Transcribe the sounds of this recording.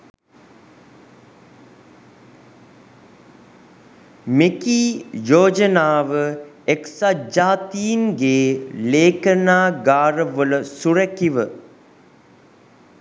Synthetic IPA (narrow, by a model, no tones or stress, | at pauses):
mekiːjoːd͡ʒənaːʋə | eksad͡ʒaːt̪iŋɡeːleːkənaːɡaːɾəʋələsurəkiʋə